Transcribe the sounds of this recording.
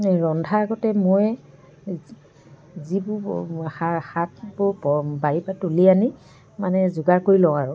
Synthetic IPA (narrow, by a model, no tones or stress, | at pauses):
ɹɔndʱaːɡɔtɛmoj | zibʊaxat̚bʊɹpɔbaɹipatuliani | manɛzʊɡaɹkoɹilɔ̃aɹʊ